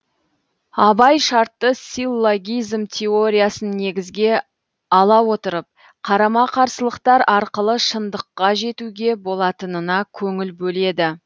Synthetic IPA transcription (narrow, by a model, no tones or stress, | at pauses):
ɑbɑjʃɑɾt̪ːəsilːoɡʲijzmt̪ʲʰeo̞ɾʲijasənːe̞ɡʲɪzɡʲe̞ | ɑlˠɑwo̞t̪əɾəp̚ | qʰɑɾɑmɑqʰɑɾsəlˠəqt̪ɑɾɑɾqəlˠəʃənd̪əqːɑʒe̞t̪uɡʲe̞bo̞lˠɑt̪ənənɑkʲʰɵŋɪlbɵle̞d̪ɪ